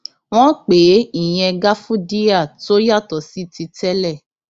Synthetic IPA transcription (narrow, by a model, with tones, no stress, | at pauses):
w̃ɔ̃˦k͡pe˨˦i˦˨j̃ɛ̃˧ɡa˦fũ˦di˦a˦˨to˦ja˦˨tɔ˨˦si˦ti˧tɛ˦lɛ˦˨